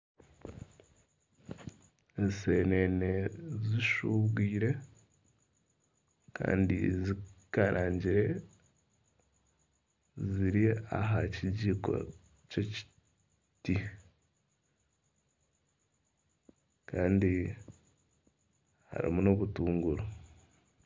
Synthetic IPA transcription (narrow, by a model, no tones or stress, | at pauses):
ezseneneziʃuβɡiːɾe̞ | ka̰ːndizikaɾʔaːɲɟiɾe̞ | ziɾiaɦaciɟiːko̞̰ | ceci̥ | ti | kaːndi | ha̰ɾḭmuno̞βutuːŋɡuɾo